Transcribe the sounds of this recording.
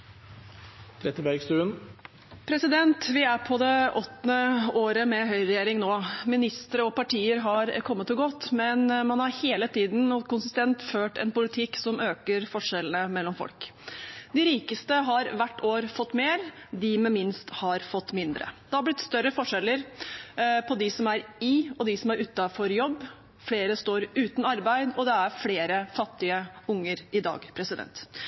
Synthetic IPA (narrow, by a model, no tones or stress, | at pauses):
t̪ʰɾɛt̪ɪbæɾɡst̪ʉːən | pʰɾɛsɪd̪ɛnt̪ʋɪæɾpʰɔd̪ɛʔɔt̪ːnəoːɾəmɛɦœʏɾɛjeːɾɪŋnoːmɪnɪst̪əɾəɔpɑʈʰiːəɾɦɑɾkʰɔmːət̪ːɪɡɔt̪ːmɛnmɑnhɑɾheːlət̪iːd̪n̩kʊnsɪst̪ɛnt̪føːʈɛ̰npʊlɪt̪ʰɪksɔmøːkəɾfɔʂɛlənəmɛlːɔmfɔ̰lkd̪ɪɾiːkəst̪əɦɑɾʋæʈːoːɾfɔt̪ːmeːɾd̪ɪmɛmɪnst̪hɑɾfɔt̪ːmɪnd̪ɾə̰d̪̥ɛhɑɾblɪt̪st̪œɾːəfɔʂɛlːəɾ | pʰɔd̪ɪsɔmæɾɪɔd̪ɪsɔmæɾʉːt̪ːɑfɔɾjɔbː | fleːɾəst̪oːɾʉːt̪n̩ɑɾbæɪd̪ɔd̪ɛæɾfleːɾəfɑt̪ːɪəʊŋːəɾɪd̪ɑ̰ːɡpʰɾɛsɪd̪ɛ̰nt̪